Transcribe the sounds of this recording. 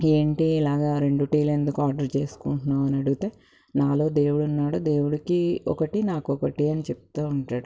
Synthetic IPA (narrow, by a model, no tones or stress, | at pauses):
eːɳʈilaːɡaːɾe̞ɳɖuʈiːle̞nd̪ukuaːɾɖɐɾt͡ʃe̞ːsu̥kuɳʈunaːʋɐnɐɽuɡut̪eː | naːlo̞ːd̪e̞ːwuɽuɐnːaːɽoːd̪e̞ːwuɽɐkiɔ̰kɐʈinaːkɔkɐʈiɐnit͡ʃɛp̚t̪aːuɳʈaːɽu